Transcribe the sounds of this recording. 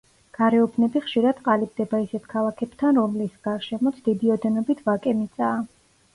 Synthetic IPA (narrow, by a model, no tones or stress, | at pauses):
ɡ̥aɾɛubʰnɛbiχʃiɾad̪̥qʼalib̚d̪ɛbaisɛt̪ʰkʰalˠakʰɛbt̪ʰanɾɔmlisɡaɾʃɛmɔt̪sʰd̪id̪iɔd̪ɛnɔbit̪ʰvakʼɛmit̪sʼaː